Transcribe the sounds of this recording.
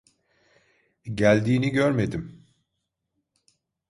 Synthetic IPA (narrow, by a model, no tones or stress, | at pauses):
ɟælʲd̪iːniɟøɾme̞d̪im